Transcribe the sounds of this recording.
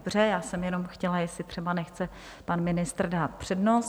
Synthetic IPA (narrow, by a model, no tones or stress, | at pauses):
br̝ɛjaːsɛmjɛno̞mxcɛlajɛslɪt̪r̝̥ɛbanɛxt͡sɛ | panmɪnɪst̪rdaːt̪̚pr̥ɛdnos